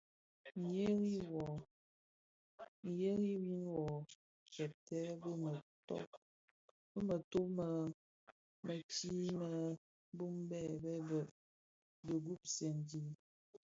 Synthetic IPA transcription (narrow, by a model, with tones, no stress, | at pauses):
ɲe˦ɣi˦wɔ˨ | je˦ɣi˦wi˦nwɔ˨ | kɛ˨p̚tɛ˦bə˦mə˨tɔ̰˦ | b̥ə˦mə˨to˦mə˨ | mə˨ti˦mə˨˦ | bu˦mbɛ˦˨bɛ˦bə˦˨ | bə˨ɡu˦p̚se˨ndi˦